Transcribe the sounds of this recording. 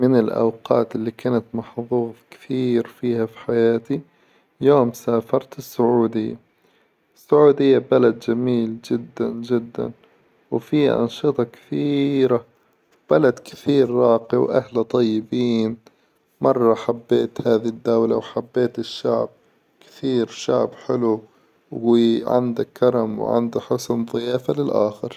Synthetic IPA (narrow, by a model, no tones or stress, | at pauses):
mɪnɪlʔa̰wqɑ̰ːt̪ʔɪlːikaːnat̪mɑħðˤuːðˤkɪ̥θiːɾfiːhafi̥ħajaːt̪i | joːmsaːfɑɾˤt̪ɪsːʊʕuːd̪ɪjːa̰ | ɪsːʊʕuːd̪ɪjːabalad̪d͡ʒamiːld͡ʒɪd̪ːa̰nd͡ʒɪd̪ːa̰n | wfḭːʔɑ̰nʃɨt̪ˤɑkɪ̥θiːɾa | b̥alad̪kɪθiːɾːˤɑːqiwʔahlat̪ˤɑjːɪbiːn | mɑrˤːɑħabːeːt̪haːðid̪ːawlawħabːeːt̪ɪʃːa̰ʕb̚ | kɪ̥θiːɾʃa̰ʕbħɪlu | wiʕɪ̰nd̪akːɑɾˤɑmw̰ʕɪ̰nd̪aħʊsnðˤɨjaːfalɪlʔa̰ːxɪɾ